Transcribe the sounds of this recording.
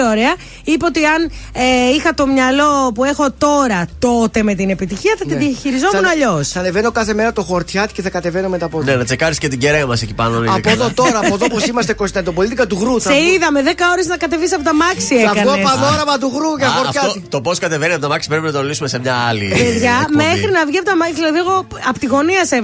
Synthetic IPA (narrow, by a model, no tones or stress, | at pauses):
oɾe̞ɐ | ipeot̪iɐneixɐt̪o̞mɲɐlo̞pue̞xo̞t̪o̞ɾɐt̪o̞t̪e̞me̞t̪ine̞pit̪içiɐθɐiðiɐçiɾizo̞munɐʎo̞sθɐneveno̞kɐθe̞meɾɐt̪o̞xoɾt̪çɐt̪i̥ceθɐkɐt̪eveno̞met̪ɐponenɐt͡sekɐɾiscet̪iɟeɾeɐmɐsecipa̰nonɐpoðot̪oɾɐːpoðopos̬imɐst̪ekost̪ɐt̪opolit̪ikɐt̪uɣɾuθsθeiðɐmeðekɐo̞ɾeznɐkɐt̪e̞visɐpot̪ɐmɐksieɐkɐopɐnoɾɐmɐt̪̬uɣɾuceɐxoɾçɐtit̪oposkɐt̪e̞veniɐpot̪ɐmɐksi̥pɾepinɐt̪onlisumesemɲɐɐlḭpeðʝɐmmexɾinɐvʝiɐp̬ot̪ɐmɐsilɐðiɣo | ɐpot̪iɣo̞niɐse